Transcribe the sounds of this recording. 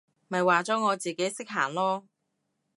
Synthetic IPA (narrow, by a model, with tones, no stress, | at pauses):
mɐ˨jwaː˨t͡sɔː˨˥ŋɔː˨˧t͡siː˨˩ke˨˥jsɪ˥k̚ɦaː˨˩ŋlɔː˥